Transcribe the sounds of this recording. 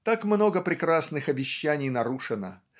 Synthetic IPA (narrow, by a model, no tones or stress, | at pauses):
t̪akmno̞ɡəpɾʲɪkɾasnɨxɐbʲɪɕːænʲɪjnɐɾuʂɨnə̰